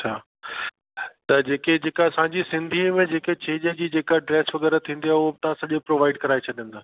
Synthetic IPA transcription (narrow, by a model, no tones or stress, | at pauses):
ɐt͡ɕʰaː | t̪ɐd͡ʑeːked͡ʑeːkaɐsãːɲd͡ʑisɪ̃nd̪ʱimẽd͡ʑeːket͡ɕʰeːd͡ʑed͡ʑiːd͡ʑeːkaɖɾɛːsʋɐɣɛːɾət̪ʰĩːn̆d̪iaʊɦobɪt̪ɐʋ̤ãsɐʄopɾoːʋaːɪɖkɐɾaːet͡ɕʰɐɗijə̃nd̪aː